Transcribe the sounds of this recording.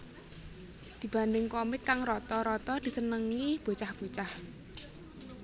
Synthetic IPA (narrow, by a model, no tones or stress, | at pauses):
d̪̥i̤b̥ä̤nd̪ɪŋkɔmɪkːaŋrɔt̪ɔɾɔt̪ɔd̪̥i̤sənəŋib̥o̤t͡ʃahb̥o̤t͡ʃah